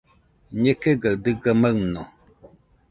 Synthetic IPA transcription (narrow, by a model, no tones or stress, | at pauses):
ɲekeɡad̪ɨɡaməno